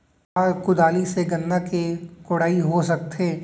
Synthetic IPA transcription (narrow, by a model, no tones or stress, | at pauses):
aːɾkʊd̪aːliseɡɐ̃nd̪akekʊɽaːiɦosɐk̚t̪eː